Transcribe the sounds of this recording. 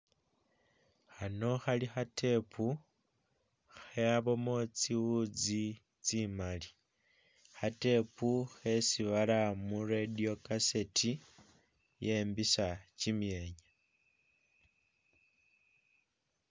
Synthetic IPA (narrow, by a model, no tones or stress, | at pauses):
xano̞xalixatʰe̞pʰu | xeaβo̞mo̞t͡siwud͡zi | t͡simali | xate̞puxe̞siβalamuredio̞kase̞tʰi | je̞mbisat͡ʃimje̞ːɲa